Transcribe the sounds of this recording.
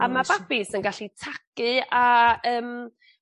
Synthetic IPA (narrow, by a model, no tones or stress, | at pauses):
amabapɪsənɡaɬitʰakɨaəːm